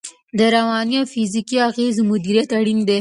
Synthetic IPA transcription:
d̪əɾawɑnijafizikiaɣezmʊd̪iɾjat̪aɽind̪e

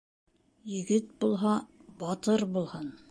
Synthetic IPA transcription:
jɘ̆ɡɘt̪̚bulˠɦɑbɑt̪ɤɾbulˠhɑn

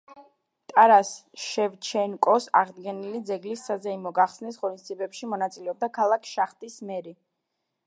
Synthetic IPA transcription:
t̪ʼaɾasʃɛvt͡ʃʰɛnkʼɔsa̰ʁd̪ɡɛnilid̪zɛɡlisːazɛimɔɡaχsnisʁɔnisd̪zibɛpʃimɔnat̪sʼilɛɔb̚d̪akʰalˠakʰʃaχt̪ʼismɛɾi

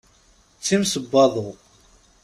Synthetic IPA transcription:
t͡sːimsəbːɑðˤo

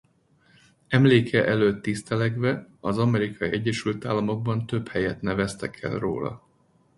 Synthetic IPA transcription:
ɛmleːkʰɛʔɛløːt̪ːist̪ɛlɛɡʋɛɒzɒmɛɾikɒjiɛɟːɛʃylt̪aːlːɒmo̞ɡ̚bɒnt̪ø̞phɛjɛt̪nɛvɛst̪ɛkʰɛ̰lro̰ːlɒ̰

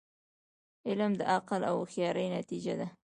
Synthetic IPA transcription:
ɪlmd̪əʔaqəla̰wxjɑɾəjnat̪id͡ʒad̪a

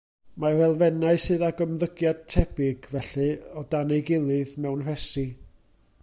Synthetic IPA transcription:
marɛlˠvɛnaɨsɨːðaɡəmðəɡjad̥̚tʰɛb̥ɪɡvɛɬɨɔdanejɡɪlˠɨðmɛwnr̥ɛsi

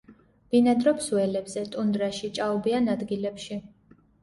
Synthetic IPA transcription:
b̥inad̪ɾɔpʰsuɛlɛbzɛt̪ʼund̪ɾaʃit͡ʃʼaubianad̪ɡilɛpʃi

